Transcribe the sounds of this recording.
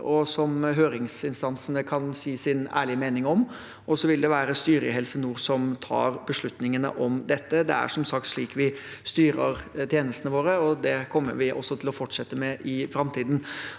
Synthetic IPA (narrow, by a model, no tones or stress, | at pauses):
ɔsɔmɦøːɾɪŋsɪnst̪ɑnsənəkʰɑnsiːsɪnæ̰ːɭɪəmeːnɪŋɔm | ʔɔsɔʋɪld̪ɛʋæːɾəst̪yːɾəɦɛlsənuːɾsɔmt̪ʰɑ̰ːɾbəʂɭʉt̪nɪŋənə̰ʔɔmd̪ɛt̪ːəd̪ɛ̰æ̰ʂɔmsɑkt̪ʂɭiːkʰʋɪst̪yːɾə̰ɾt̪ʰjeːnəst̪ənəʋoːɾəɔd̪ɛkʰɔmːə̰ɾʋɪʔɔ̰sːɔt̪ʰɪlɔfɔʈʂɛt̪ːəmɛʔɪfɾɑmt̪ʰiːd̪n̩